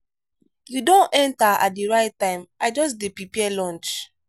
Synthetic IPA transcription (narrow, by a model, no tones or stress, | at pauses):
judõnɛ̃ntaa̰t̚diɹaɪtːãɪ̃maɪd͡ʒɔs̬depipiɛlɔ̃nt͡ʃ